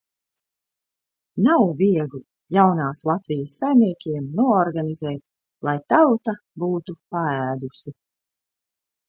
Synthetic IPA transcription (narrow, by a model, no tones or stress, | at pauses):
nawviɛɡu | jawnaːslˠat̪vijəsːajmniɛkʲiɛmnuɔɔɾɡanizɛːt̪ | lˠajt̪awt̪a | buːt̪upaæːd̪usi